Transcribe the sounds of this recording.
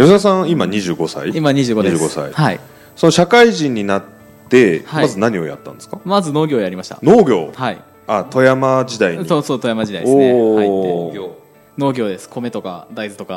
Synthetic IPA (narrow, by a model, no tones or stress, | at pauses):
joɕas̬ãŋimaɲ̟iʑɨːɡo̞sa̰iimaɲ̟iʑɨːɡoeːɡo̞sa̰ḭhai | so̞no̞ɕakaiʑĩɲ̟ːinat̪ː | e̞hamazɨnaɲ̟io̞̰ja̰t̪ːã̰nd̪skamazɨnoːɡʲo̞ːjaɾʲimaɕi̥t̪a̰no̞ːɡʲo̞̰ːhaḭ | at̪o̞jamad͡ʑid̪aiɲosoːt̪ojamad͡ʑid̪aioaieɡo | no̞ːɡʲo̞ːd̪e̞sɨ̥kʰo̞me̞t̪o̞ka̰d̪aizɨt̪o̞ka